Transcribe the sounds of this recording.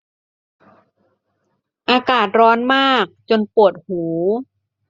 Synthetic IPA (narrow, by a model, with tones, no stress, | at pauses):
ʔaː˧kaː˨˩t̪̚ɾɔː˦˥nmaː˥˩k̚t͡ɕo˧npu˨˩ət̪̚huː˩˦